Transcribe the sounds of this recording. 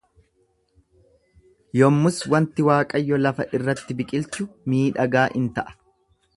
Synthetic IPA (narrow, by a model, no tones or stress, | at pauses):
jɔmːʊswɐnt̪ɪwaːkʼɐjːɔlɐfɐʔɪrːɐt̪ːɪbɪkʼɪlt͡ʃːʊmiːᶑɐɡaːʔɪnt̪ɐʔɐ̥